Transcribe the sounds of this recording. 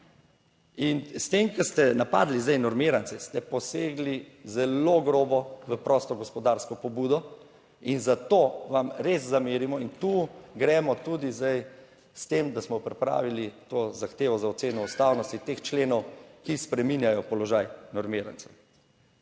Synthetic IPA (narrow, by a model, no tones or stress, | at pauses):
inst̪emkɛst̪ɛnapaːd̪lizd̪ajnɔɾmeːɾant̪sɛst̪ɛpɔseːɡlizɛloɡɾoːbɔʋəpɾɔst̪ɔɡɔspɔd̪aːɾskɔpɔbuːd̪ɔ | inzat̪oːʋamɾezzameːɾimɔint̪uɡɾɛːmɔt̪uːd̪izd̪aj | st̪emd̪asmɔpɾipɾa̰ːʋilit̪oːzaxt̪eːʋɔzaɔt̪seːnɔust̪aːwnɔst̪it̪ext͡ʃleːnɔwkispɾɛminjajɔpɔlɔʒajnɔɾmeːɾa̰nt̪sɛw